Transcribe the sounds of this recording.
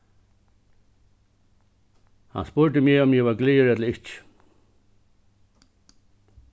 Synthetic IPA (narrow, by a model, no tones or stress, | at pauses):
ha̰nspʊɾd̪ɪmjeːɔmjɛʋaɾɡliːəɾɛt̪lɪht͡ʃ